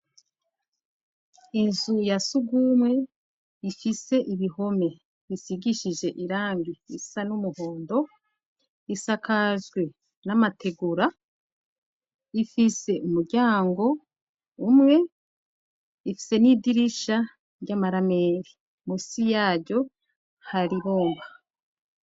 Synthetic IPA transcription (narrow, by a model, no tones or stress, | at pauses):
inzujasuɡumŋe̞ | ifise̞ʔiβiho̞me̞ | βisiɡiʃiʒe̞ʔiɾaːŋbiisanumuho̞ːndo̞ | isakazɡwe̞ | namatʰe̞ɡuɾa | ifise̞ʔumuɾɟaːŋɡo̞ | umŋe̞ | ifi̥se̞nidiɾiʃa | ɟamaɾame̞ːɾi | musijaːɟo̞ | haɾiβo̞ːmɡa